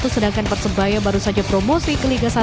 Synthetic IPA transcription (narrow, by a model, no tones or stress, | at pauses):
t̪usədaŋkanpərsəbajabaɾusad͡ʒapɾomosikəliɡasa